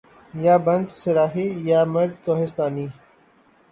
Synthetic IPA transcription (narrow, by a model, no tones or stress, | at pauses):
jaːbɐ̃nd̪sɪlaːɦiːjaːmɐɾd̪koːɦɪst̪aːniː